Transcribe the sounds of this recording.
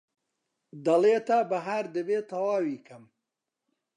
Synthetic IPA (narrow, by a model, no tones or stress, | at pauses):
d̪ɐleːt̪abɐɦaɾd̪əbeːt̪ʰɐwaːwiːkʰɐm